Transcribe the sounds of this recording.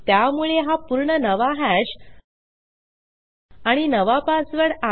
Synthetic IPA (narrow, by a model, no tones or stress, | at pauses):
t̪jamuɭeɦapuɾɳənəʋaɦaɕ | aɽ̃inəʋapasʋəɽa